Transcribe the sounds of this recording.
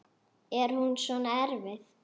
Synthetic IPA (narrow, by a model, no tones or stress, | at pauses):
ɛɾ̥hunsvɔnaɛɾvɪθ